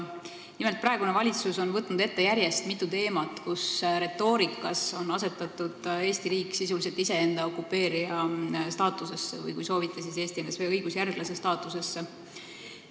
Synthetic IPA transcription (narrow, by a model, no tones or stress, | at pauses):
nimelt̪̚prɑe̞ɡunevɑlʲit̪suso̞nvɤt̪ːˑnud̪̥e̞t̪ːe̞jæɾje̞st̪mit̪ːˑut̪e̞ːmɑt̪kusɾe̞t̪ːˑo̞ːɾikːˑɑso̞nɑse̞t̪ːˑɑt̪ːud̪̥e̞ːsʲt̪iɾiːkːˑsisulise̞lt̪ːise̞e̞nd̪ɑo̞kːˑupːe̞ːɾiɑst̪ɑːt̪ːˑuse̞sːevɯ̰jkujso̞ːvit̪ːˑesise̞ːst̪iend̪̥eseɤjɡusjærɡ̥lɑsest̪ɑːt̪ːˑuse̞sːe